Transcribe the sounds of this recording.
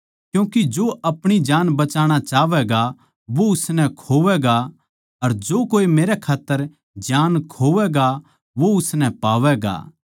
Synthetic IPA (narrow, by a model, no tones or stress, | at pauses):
kjũːkid͡ʒoːɐpɽ̃id͡ʒaːnbɐt͡ʃaːɽ̃at͡ʃaːʋɛɡa | ʋoʊsnɛ̃kʰoːʋɛɡa | ɐɾd͡ʒoːkoːimeːɾɛkʰaːt̪ːəɾ | d͡ʒaːnkʰoːʋɛɡa | ʋoʊsnɛ̃paːʋɛɡa̰ː